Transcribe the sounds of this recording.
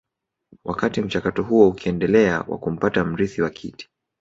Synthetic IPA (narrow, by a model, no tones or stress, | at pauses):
wʔakatim̩t͡ʃakatɔɦuɔukiɛndɛlɛa̰wʔa̰kum̩patam̩ɾiθiwakʰiti̥